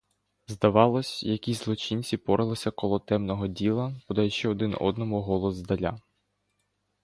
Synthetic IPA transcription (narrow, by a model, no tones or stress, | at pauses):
zd̪ɐʋɑlˠɔsʲjɐkʲizlˠɔt͡ʃinʲt͡sʲipɔɾʔɪlˠɪsʲɐkɔlˠɔt̪ɛmnɔɦɔdʲilˠɐbɔd̪ɐjɛʃt͡ʃɛɔd̪ɪnɔ̰d̪nɔmuɦɔlˠɔzd̪ɐlʲa